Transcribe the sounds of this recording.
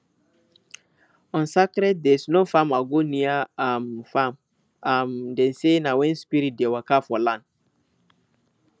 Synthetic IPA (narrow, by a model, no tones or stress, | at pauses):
ɔ̃nsakɾɛd̚dɛisnofamaɡoniaamfam | amdɛ̃nsenawɛ̃nspiɾit̚dewakafɔlãnd